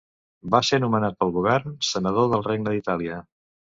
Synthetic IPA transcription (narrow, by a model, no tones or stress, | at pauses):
basenumənat̪̚pəlˠɣuβ̞ɛrnsənəð̞oðəlˠreɡ̚nəðit̪aliə